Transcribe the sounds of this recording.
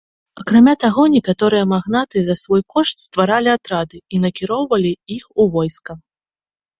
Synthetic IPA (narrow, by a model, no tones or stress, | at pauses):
ɐkɾamʲat̪aɣɔnʲɛkat̪ɔɾɨjɐmaɣnat̪ɨzɐsvɔjkɔʂt̪ʲst̪vaɾalʲiat̪ɾad̪ɨinɐkʲiɾɔwvɐlʲiixuvɔjskɐ